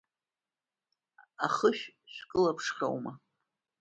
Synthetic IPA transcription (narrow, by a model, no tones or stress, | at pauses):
aχəʃᶣʃʷᶣkʼɨlapʰʂχʲa̰wma